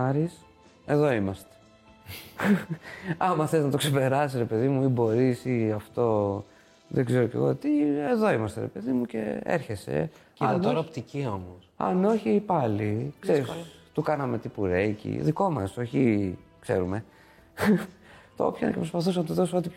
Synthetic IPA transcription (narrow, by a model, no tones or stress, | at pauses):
ɐɾis | e̞ðo̞imɐst̪e̥ | ɐmɐθeznɐt̪o̞kse̞pe̞ɾɐsisɾepe̞ðimuibo̞ɾisiɐft̪o̞ | ðeɡze̞ɾo̞ce̞̰ɣot̪ieðo̞imɐst̪e̞ɾe̞̰pe̞ðimuce̞̰ḛɾçe̞se̞̰ | ɐnɾopt̪iciomosɐ̰no̞çipɐlikseɾist̪ukɐnɐme̞t̪ipuɾecḭðiko̞mɐso̞çikse̞ɾume̞ | t̪oo̰pçɐnḛcepɾo̞spɐθusnɐt̪uðo̞soo̞t̪ip